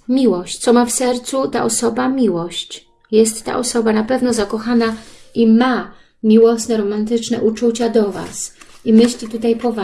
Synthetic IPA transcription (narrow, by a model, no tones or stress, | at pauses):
mʲiwɔɕt͡ɕt̪sɔmafsɛɾt̪sut̪a̰ʔɔsɔbamʲiwɔɕt͡ɕ | jɛst̪ːa̰ʔɔsɔbanapɛvnɔzakɔxanaʔima | mʲiwɔsnɛɾɔmant̪ɘt͡ʂnɛ̰ʔut͡ʂut͡ɕad̪ɔva̰simɘɕlʲit̪ut̪ajpɔva